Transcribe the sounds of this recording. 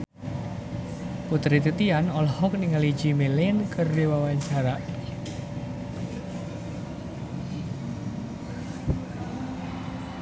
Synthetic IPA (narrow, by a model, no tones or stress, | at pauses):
put̪ɾit̪it̪ianɔlhɔk̚niŋali̥d͡ʒimelɪnkərdewawaɲt͡ʃaɾaʔ